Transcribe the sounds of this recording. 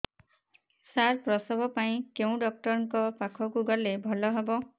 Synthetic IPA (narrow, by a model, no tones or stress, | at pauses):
saɾpɾɔsɔbɔpaĩkeũɖɔk̚ʈɔɾɔŋkɔpakʰɔkuɡɔlebʱɔlɔɦɔbɔ